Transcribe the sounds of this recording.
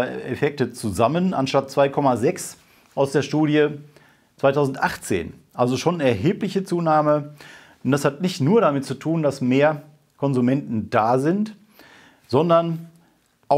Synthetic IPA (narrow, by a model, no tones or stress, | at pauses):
ḛfɛk̚tət͡suzamənʔa̰nʃtat̚t͡sv̥aɪkʰɔmazɛks | ʔaʊsd̥eːɐʃtuːɾjə | t͡svaɪtʰaʊzn̩tʔaχt͡sḛːnʔalzoʃoːnɛɐɦeːplɪçət͡suːnaːmə | ʊntd̥ashatnɪçtnuːɐɾamɪt̚t͡sutʰuːndasmeːɐ | kʰɔnzumɛntn̩d̥aːzɪnt | z̥ɔndɐn | ʔa